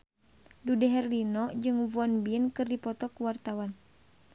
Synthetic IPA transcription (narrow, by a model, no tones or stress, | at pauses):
dudɛɦɛrlinɔd͡ʒɨŋvuɔnbinkɨrdipɔt̪ɔkuwart̪awan